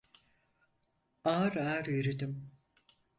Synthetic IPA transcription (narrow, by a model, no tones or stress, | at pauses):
aːɾaːɾyɾed̪im